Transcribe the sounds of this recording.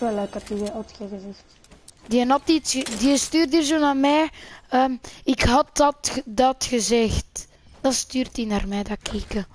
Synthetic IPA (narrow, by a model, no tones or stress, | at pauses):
ʋɛlːøːkɑtiəɔtxəɣəzɛxt | diənɑtitsədiəstyːrtiːrzoːnaːrmɛːəːmɪkɦɑt̚ɑtdɑtxəzɛxt | d̥ɑnstyːrtinaːrmɛdakʰikə